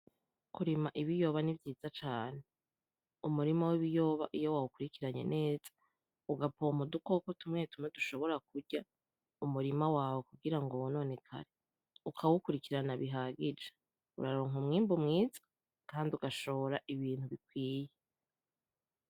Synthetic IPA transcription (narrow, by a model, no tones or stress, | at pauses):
kuɾimaʔiβijo̞ːβanivjiːz̥at͡ʃaːne | umuɾimawiβijo̞ːβaʔijo̞wawukuɾikiɾaɲe̞̰nʔe̞ːz̥ḁ | uɡapomudukokotumŋe̞tumŋeduʃo̞βo̞ɾak̚uɾɟa | umuɾimawaːwokuɡiɾaŋɡo̞wono̞ːne̞kʰa̰ɾe | ukʰawukuɾikiɾanaβiɦaɡid͡ʒe̥ | ṵɾaɾoːŋɦumŋiːmbumŋiːz̥ḁ | kaːndiuɡaʃo̞oɾaʔiβiːn̥huβikwiːje